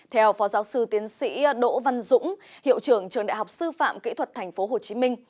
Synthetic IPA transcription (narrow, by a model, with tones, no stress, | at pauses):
t̪ʰɛ˧wfɔ˨˦zaː˨˦wsɨ˧t̪i˨˦ənsḭ˧˥ɗo̰˧˥va˧nzʊ̰˧˥ŋ͡mhḭ˧˨əwt͡ɕɨ˧˩əŋt͡ɕɨ˨˩əŋɗa̰˧˨ɦa˨˩wk͡p̚sɨ˧fa̰ː˧˨mkḭ˧˥t̪ʰwə˨˩t̚t̪ʰɛ˨˩jŋ̟fo˨˦ɦo˨˩t͡ɕi˨˦mï˧ŋ̟